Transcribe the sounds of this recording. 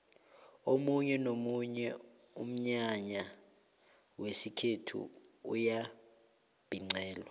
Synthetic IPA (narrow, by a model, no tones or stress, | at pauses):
omuɲɛnomuɲɛ | um̩ɲaɲa | wesikʰetʰṵuja | b̥ʱiŋ͡ǀɛːlwa